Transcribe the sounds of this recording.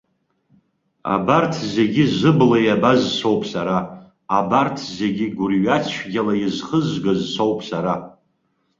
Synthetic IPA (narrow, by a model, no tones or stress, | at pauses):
a̰bartʰze̞ɡʲɪzɨblajabazsowpʰʼsaɾaː | bartʰze̞ɡʲɪɡʷʊrɥat͡ʃʷʰɡʲalajizχəzɡazsowpʼʰsaɾa